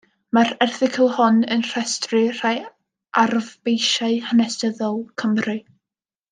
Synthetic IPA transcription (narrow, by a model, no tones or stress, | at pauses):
marɛrθɪkʰəlˠhʊnənr̥ɛstrɨr̥aj | ʔarvbejʃaɨhanɛstəðɔlˠkʰəmrɨ